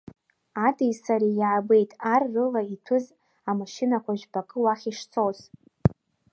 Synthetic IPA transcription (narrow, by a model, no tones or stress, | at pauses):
adʰʼijsaɾijʕabe̞jtʼarːɨlaitʰɨz | amaʃɪnakʷʰaʒᶣbakʼɨwaχʲiʂt͡sʰʼoz